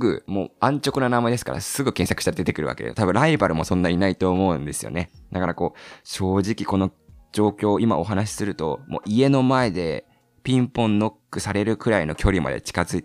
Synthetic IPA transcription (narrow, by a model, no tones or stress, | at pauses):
ɡɯ̟̰mo̞ːãɲ̟t͡ɕo̞kɯ̟nanamad̪esɨ̥ka̰ɾa̰sɨɡɯ̟kẽ̞ɰ̃sakɯ̥ɕit̪aɾd̪et̪e̞kɯ̟ɾɯ̟βa̰ke̞dḛot̪abɯ̟̃ɾaibaɾɯ̟mo̞sõ̞nːaɲinait̪o̞ːmo̞ɯ̟̃nd̪e̞sɨjo̞̰ne̞d̪akaɾako̞ːɕo̞ːʑikʲiko̞no̞d͡ʑo̞ːkʲo̞ːima̰o̞ɦanaɕ̬i̥sɨɾɯ̟t̪o̞mo̞̰ːʔie̞no̞mae̞d̪e̞ | pʲĩmpõ̞nːo̞kːɯ̟saɾe̞ɾɯ̟kɯ̟ɾaino̞kʲo̞ɾʲima̰d̪ḛt͡ɕi̥kazɨit̪